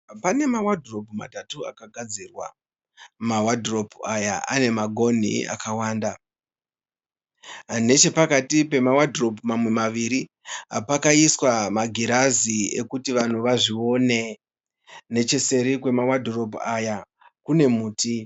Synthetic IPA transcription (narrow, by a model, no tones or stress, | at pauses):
pane̞mawadro̞puma̰tatua̰kaɡʱad͡zirwa̰ | mawadʱro̞puaja̰ʔa̰ne̞maɡʱo̞n̤ḭa̰kawaːnda | ne̞t͡ʃe̞pakatipe̞mawadro̞pumamwe̞maʋiɾi | apakaiswamaɡʱiɾaziḛkutiʋan̤uʋaʐio̞ne̞ | ne̞t͡ʃe̞se̞ɾikwe̞mawadʱro̞puaja | kune̞muːtʰi